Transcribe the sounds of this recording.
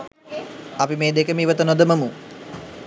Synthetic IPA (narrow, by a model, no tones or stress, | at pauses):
ɐpimeːd̪ekəmiːʋət̪ənod̪əməmu